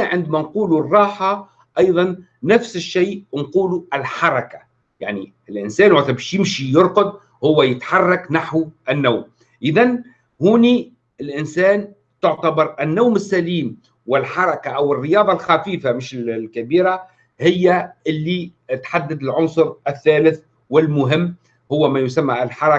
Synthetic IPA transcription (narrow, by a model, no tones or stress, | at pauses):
ʕɪnd̪mænquːlurˤːɑːħa | ʔɑjðˤɑnː | afsɪʃːiːnquːluɪlħɑɾˤɑkḁ | ja̰ʕni | ɪlʔɪnsæːnwat̪ːæbɛːʃjɪmʃijʊɾˤqʊd̪̚ | hʊwːæjɪt̪ħɑrˤːɑknaħwʔɪnːawm | ʔɪðan | huːni | ɪlʔɪnsæːn | t̪ʊʕt̪abɑɾˤʔɪnːawmɪsːæliːm | wɪlħɑɾˤɑkaʔæwɪrːɪjɑːðˤɑlxafiːfamɪʃɪlkæbiːɾa | hɪjːæʔɪlːit̪ħad̪ːad̪ɪlʕʊnsˤʊɾɪθːæːlɪθ | wɪlmʊɦɪmː | hʊwːæmæjʊsamːælħɑɾˤɑ